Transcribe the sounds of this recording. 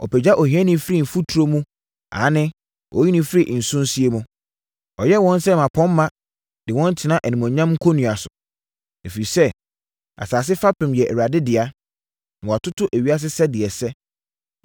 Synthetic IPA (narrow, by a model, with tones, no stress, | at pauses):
ɔ̰˨pɛ˨d͡ʑa˦ʔɔ˨hĩ˨˦ɛ̃˦nĩ˦fɾi˦˨m̩˨fu˦tʰu˨ɾo˦mũ˦ | ã̰˨˦nɪ̃˦ | ʔɔ̰˨˦ji˦nĩ˦fɪ˦ɾi˦˨ʔn̩˨sʊ̃˦n˦si˦e˦mũ˦ | ɔ˨jɛ˦wɔ̃˦n˦sɛ˦mã˨pʰɔ̃˦mː˦ã˦ | d̥ɪ˨wɔ̃˦n˦tʰɪ˨˦nã˦ʔæ˨nĩ˨mɔ̃˨ɲã˦m˦kʰo˦nũ˨a˨sʊ˨ | e˨fi˨ɾi˨sɛ˦ | a̰˨saː˨s̬ɪ˦fa˦pɪ̃˨mjɛ˨ʔæ˨ɥa˨dɪ˦dɪ˨a˦ | nã˨wa˨tʰʊ˦tʰʊ˦ʔæ˨wɥi˦a˦s̬ɪ˦sɛ˦dɪ˨ɛ˨sɛ˦